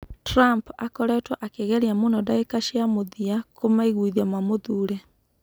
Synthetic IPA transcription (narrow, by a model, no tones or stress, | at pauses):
tɾampakɔɾɛtwaʔakeɣɛɾiamonɔdaekaʃiamoðiakomaiɣwuiðiamamoðuːɾɛ